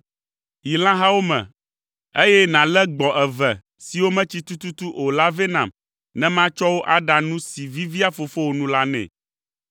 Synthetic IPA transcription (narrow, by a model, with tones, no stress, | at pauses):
ji˨l̃ã˦ɦa˦wo˦mɛ̰̃˨ | e˦jɛ˦nã˨lɛ˦ɡ͡bɔ˨ʔɛ˨vɛ˨ | si˨wo˦mɛ̃˦t͡ɕi˦t̪u˦t̪u˦t̪u˦ʔo˨la˦ve˦nã̰˨m | nɛ̃˦mã˦t͡ʃɔ˦wo˦ʔa˦ɖa˨nũ˦si˨vi˦vi˦a˦fo˨fo˦wo˨nũ˦la˦nɛ̰̃˨